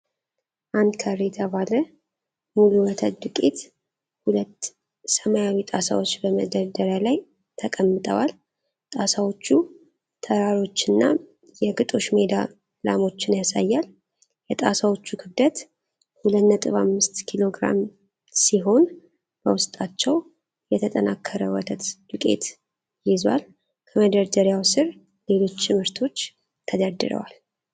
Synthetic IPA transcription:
ʔand̪kʰəɾejt̪ʰəβalə | muluwət̪ʰəd̪ɨkʼit̪ | hulət̪ː | səmajawit̪ʼasa̰wo̞t͡ʃːbəməd̪əɾd̪əɾjalaj | t̪ʰəkʼəmːɨt̪ʼəwal | t̪ʼasawo̞t͡ʃːu | t̪ʰəɾaɾo̞t͡ʃːɨnːa | jɛɡɨt̪ʼo̞ʃmed̪a | lamo̞t͡ʃːɪnjasa̰jːal | jɛt̪ʼasawo̞t͡ʃːukʰɨbd̪ət̪ | hulət̪nət̪ʼɨβamːɨst̪kʰilo̞ɡɾa̰m | siɦo̞n | b̥əwʊst̪ʼat͡ʃːɛw | jɛt̪ʰət̪ʼənakʰːəɾəwɔt̪ʰət̪d̪ukʼe̞̰t̪ | jɪzwa̰l | kʰəməd̪əɾd̪əɾjawsɨɾ | le̞lo̞t͡ʃːt̪ɨmhɨɾt̪ʰo̞t͡ʃː | t̪ʰəd̪əɾd̪ɨɾə̰wal

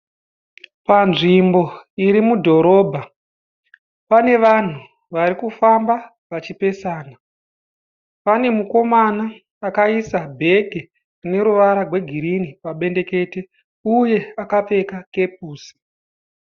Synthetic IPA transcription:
panʐimbo̞iɾimudʱo̞ɾo̞ːbʱa | pane̞ʋan̤u | ʋaɾikufamba | ʋat͡ʃipe̞saːna | pane̞muko̞manaː | kaisabʱe̞ɡʱe | rune̞ɾuʋaɾarwe̞ɡʱiɾinipaɓe̞nde̞ke̞ːte | uje̞akap͡fe̞kake̞p̚uːsi̥

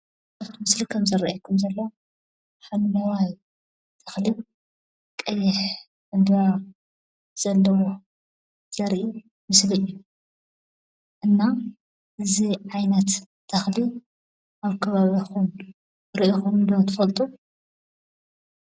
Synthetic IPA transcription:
aβt̪ʰmɨslikʰɐmzɐɾɐʔakʰɐmzɐlːɐw | ħallɐwaj | t̪ʰɐxli | kʼɐjːɪħ | ʔɨnd̪βa | z̥ɐlːɐwo | z̥ɐɾʔi | mɨslɨjːu | ʔɨnːa | ʔɨziʕajnɐt̪ːʰ | ɐxli | ʔaβkʰɐβaβixum | ɾʔixumd̪ot̪ʰɨfɐlt̪ʼu

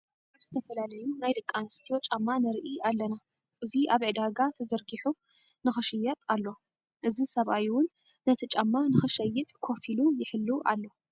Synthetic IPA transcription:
aβzɨt̪ʰɐfɐlalɐjunajdɨkʼːanɨst̪ʰijo̞t͡ʃʼamːanɨɾʔiʔalːɐna | ʔɨziʔaβʕɨd̪aɡat̪ʰɐzɐɾɡiħu | nɨxɨʃɨjːɐt̪ʼalːo̞ | ʔɨzisɐβʔajwʊnː | ɐt̪ʰit͡ʃʼamːanɨxɨʃɐjːɨt̪ʼkʰo̞filujɪħɨlːuʔa̰lːo̞

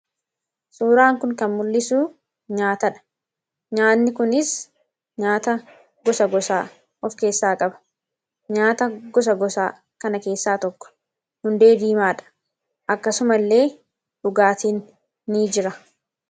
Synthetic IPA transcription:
suːɾaːŋkʊŋkɐnmʊlːɪsuː | ɲaːt̪ɐᶑɐ̥ | ɲaːt̪nɪkʊnɪs | ɲaːt̪ɐ | ɡɔsɐɡɔsaː | ʔɔfke̞ːsːaːkʼɐbɐ̥ | ɲaːt̪ɐɡɔs̬ɐɡɔsaː | kɐnɐke̞ːsːaːt̪ɔkːɔ̥ | hʊnd̪e̞ːd̪iːmaːᶑɐ̥ | ʔɐkːɐsʊmɐlːe̞ː | ᶑʊɡaːt̪iːnː | iːd͡ʒɪɾɐ

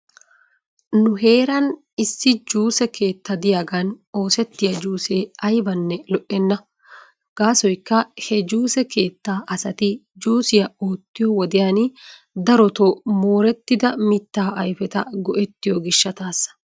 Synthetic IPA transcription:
nʊɦe̞ːɾɐn | ɪsːɪd͡ʒuːsɛkʰe̞ːt̪ːɐd̪ɪjaːɡɐno̞ːsɛt̪ːɪjɐd͡ʒuːseːɐjbɐnːɛlɔʔɛnːɐ | ɡ̥aːsɔjkːɐhɛd͡ʒuːsɛke̞ːt̪ːaːʔɐsɐt̪ɪd͡ʒuːsɪjɐoːt̪ːɪjɔwɔd̪ɪjaːn | d̪ɐɾɔt̪ɔmoːɾɛt̪ːɪd̪ɐmɪt̪ːaːʔɐjfɛt̪ɐɡɔʔɛt̪ːɪjɔɡɪʃːɐt̪aːsːɐ̥

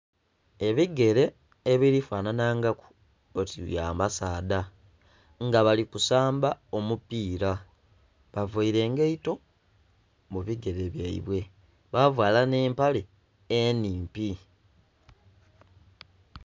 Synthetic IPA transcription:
e̞βiɡe̞ɾe̞ː | βilifwaːnanaːŋɡaku̥ | otija̰ːmbasaːda | ŋɡaβalikusaːmbao̞mupːiːɾa | βavaiɾe̞ːŋɡeito̞ | muβiɡe̞ɾeβjaḭβwe̞ | βavwaːlane̞ːmpale̞ː | niːmpi

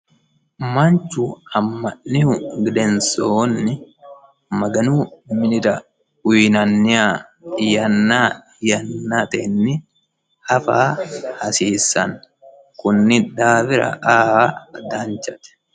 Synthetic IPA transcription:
mɐnt͡ʃːʊɐmːɐnːɪʊɡɪd̪ɛnsoːnːɪ | mɐɡɐnuːmɪnɪɾɐ | ʊjnɐnːɪaːɪjɐnːaːɪjɐnːat̪ɛnːɪ | ɐfaːhɐsiːsɐ̰n | kʊnːɪd̪aːbɪɾɐ̰ʔaːd̪ant͡ʃɐt̪ɛ̥

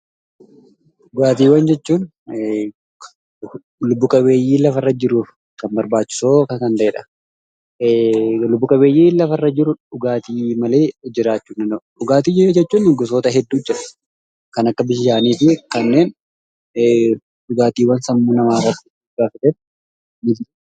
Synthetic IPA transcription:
ᶑʊɡaːt̪̬iːwɐnd͡ʒɛt͡ʃːuːn | lʊbːʊkʼɐbeːjːiːlɐfɐrːɐd͡ʒɪɾuːf | kɐmbɐɾbaːt͡ʃːɪ̥so̞ːkɐkɐnt̪ɐʔeːᶑɐ̥ | lʊbːʊkʼɐβe̞ːjːiːlɐfɐrːɐd͡ʒɪɾʊᶑʊɡaːt̪iːmɐle̞ːd͡ʒɪɾaːt͡ʃːuːnːɐnoɗʊɡaːt̪iːd͡ʒd͡ʒɛt͡ʃːuːnɪɡʊsoːt̪ɐɦɛd̪ːuːd͡ʒɛᶑɐ̥ | kɐnɐkːɐbɪʃʃaːniːfɪkɐnːe̞ːn | ᶑʊɡaːt̪iːwɐnsɐmːuːnɐmaːrːɐt̪ːɪ̥ | ɡaːfɐt̪ɛt | nɪ

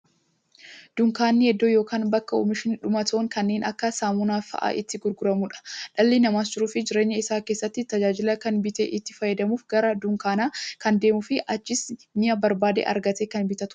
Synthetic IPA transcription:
d̪̥ʊŋkaːnːɪhɛd̪ːoːjo̞ːkaːnbɐkːɐo̰ːmɪʃɪnᶑʊmɐt̪oːŋkɐnːe̞ːnʔɐkːɐsaːmʊnaːfɐ̰ʔa̰ːʔɪt̪ːɪɡʊɾɡʊɾɐmuᶑɐ̥ᶑɐlːiːnɐmaːs̬t͡ʃɪɾuːfɪd͡ʒɪɾe̞ːɲːɐɪsaːkeːsːɐt̪ːɪt̪ɐd͡ʒaːd͡ʒɪlɐkɐnbɪt̪eʔɪt̪ːɪfɐjːɛd̪ɐmuːfɡɐɾɐd̪ʊŋkaːnaːkɐnd̪e̞ːmʊfɪʔɐt͡ʃːɪsnɪjɐbɐɾbaːd̪ḛːʔɐ̰ɾɡɐt̪eːkɐnbɪt̪ɐt̪ʊ̥

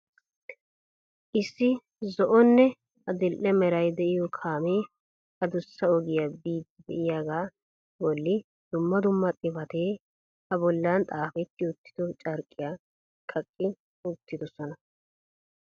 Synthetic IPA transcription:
ʔɪsːɪ | zɔʔɔnːɛ | ɐd̪ɪlʔɛmɛɾɐjd̪ɛʔɪjɔkʰaːmeː | ɐd̪ʊsːɐɔɡɪjabiːd̪ɪbɛ̰ʔɪjaːɡaː | bɔlːɪ | d̪̥ʊmːɐd̪ʊmːɐt̪ʼɪbɐt̪eː | hɐbɔlːant̪ʼaːfɛt̪ːɪʊt̪ːɪ̥d̪ɔt͡ʃʼɐɾkʼːɪjaː | kʼɐkʼːɪ | ʊt̪ːɪd̪ɔsɔnɐ

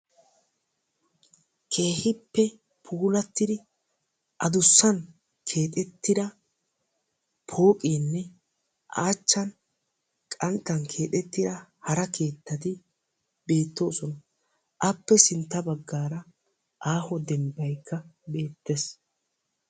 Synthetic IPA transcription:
kʰe̞ːhɪpːɛ | pʰuːlɐt̪ːɪd̪ɪ | ʔɐd̪ʊsːɐn | kʰe̞ːt̪ʼɛt̪ːɪd̪ɐ | pʰo̞ːkʼiːnːɛ | ʔaːt͡ʃːɐn | kʼɐnt̪ːɐnkʰe̞ːt̪ʼɛt̪ːɪd̪ɐhɐɾɐkʰe̞ːt̪ːɐt̪ɪ | be̞ːt̪ːo̞ːsɔnɐ | ʔɐpːɛsɪnt̪ːɐbɐɡːaːɾɐ | ʔaːhɔd̪ɛmbɐjkːɐbe̞ːt̪ːes

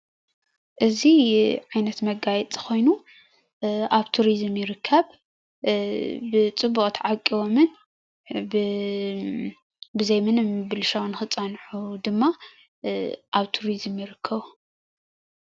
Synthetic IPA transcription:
ʔɨziʕajnɐt̪mɐɡajɛt͡sʼɨxo̞jnu | ʔaβt̪ʰuɾizmjɪɾɨkʰːɐβ | ɨt͡sʼɨbukʼt̪ʰʕakʼːiwomɨn | bɨzɐjmɐnɨmbɨlʃawnɨxɨt͡sʼːɐnħud̪ɨmːa | ʔaβt̪ʰuɾizɨmjɪɾɨkʰːɐβu

